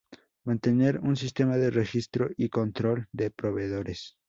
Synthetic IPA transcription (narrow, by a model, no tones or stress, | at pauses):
mãnt̪e̞ne̞ɾunsist̪e̞maðerexist̪ɾoʔiko̞nt̪ɾo̞ld̪epɾo̞βe̞ðo̞ɾes